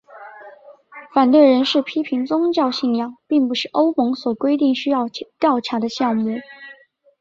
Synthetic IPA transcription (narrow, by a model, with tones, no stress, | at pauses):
fa˨˩nt̪we˥˩ɪɻə˧˥nʂɻ̩˥˩pʰi˥pʰi˧˥ŋt͡sʊ˥ŋt͡ɕjɑ˥˧ʊɕi˥˧ŋjɑ˥˩ŋpi˥˩ŋpu˧˥ʂɻ̩˥˩ʔo˥ʊmʊ˧˥ŋswɔ˨˩kwe˥ɪt̪̬i˥˩ŋɕy˥jɑ˥˧ʊt̪jɑ˥˩ʊʈ͡ʂʰa˧˥d̪ə˧ɕjɑ˥˧ŋmu˥˩